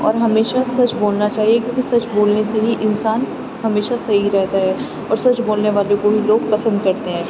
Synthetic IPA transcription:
ɔ̰ːɾɦɐmeːʃasɐt͡ʃboːlnat͡ʃaːɦiekjõːkisɐt͡ʃboːlneseɦiʔɪnsaːn | hɐmeːʃasɐɦiɾɛɦt̪aɦɛː | ɔ̰ːɾsɐt͡ʃboːlneʋaːlõkobʱiloːɡpɐsə̃nd̪̚kɐɾt̪eɦɛ̃ː

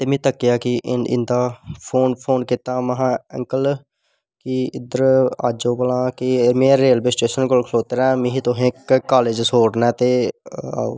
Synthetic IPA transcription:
t̪eːmẽːt̪əkːɪjaːkɪʔɪnɪ̰nd̪aːpʰoːnpʰoːnkɪt̪aːməɦãːə̰ŋkəl | kiɪd̪əɾa̰ːd͡ʒoːpəlãːkɪmẽːɾeːlbesʈeːʃənkolkʰloːt̪əɾɛ̃ːmĩːɦit̪ʊɦẽːkkːaːleːd͡ʒsoːɽnɛːt̪eːa̰ːo̰ː

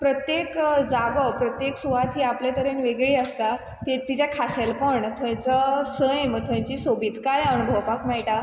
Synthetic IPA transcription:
pɾət̪jekd͡zaɡəpɾət̪jeksuʋat̪ɦiːaplet̪əɾenʋeɡɭiːəst̪a | t̪it̪ːit͡ɕakʰaɕelpəɳt̪ʰə̃j̃t͡səsəjməɡ̚t̪ʰə̃j̃t͡ɕiːsobiːt̪kajəɳ̃bʱəʋpakmaɭʈa

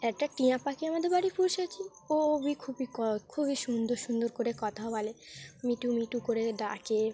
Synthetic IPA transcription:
ɛk̚ʈaʈiãpakiamad̪eɾbaɽipuɾʃat͡ɕʰi | obikʰubikɔkʰubiʃund̪oɾʃund̪oɾkoɾekɔt̪ʰabalemiʈumiʈukoɾeɖake

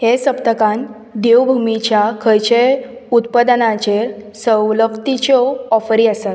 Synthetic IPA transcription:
hesəpt̪əkãn | d̪ewbʱumit͡ɕjakʰəjt͡ɕeut̪pəd̪ənãt͡ɕesəwləkt̪it͡ɕɔɔfəɾiːəsat̪

